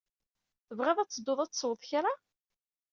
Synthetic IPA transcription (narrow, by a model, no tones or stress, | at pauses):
θəvʁeðˤæt͡sːəd̪ːʊðˤæt͡sːswðˤçaɾa